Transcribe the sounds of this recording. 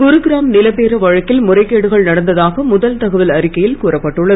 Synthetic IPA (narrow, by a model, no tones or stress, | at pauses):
ɡʊɾɯɡɪɾaːmnɪlɐpeːɾɐʋɐɻɐkːɪlmʊrɐɪkːeːɽɯɣɐɭnɐɽɐnd̪ɐðaːɣɐmʊðɐlt̪ɐɣɐʋɪlɐɾɪkːɐjɪlkuːrɐpːɐʈːɯɭːɐ